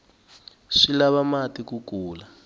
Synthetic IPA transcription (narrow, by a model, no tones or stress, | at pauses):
ʂilaβamatikukuːla